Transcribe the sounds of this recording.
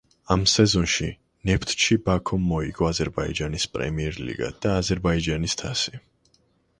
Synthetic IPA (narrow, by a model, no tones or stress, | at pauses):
amsɛzɔnʃi | nɛpʰt̪ʰʃibakʰɔmːɔiɡɔazɛɾbaḭd͡ʒanispʼɾɛ̰miɛɾlḭɡa̰d̪̥aːzɛɾbaid͡ʒanist̪ʰasi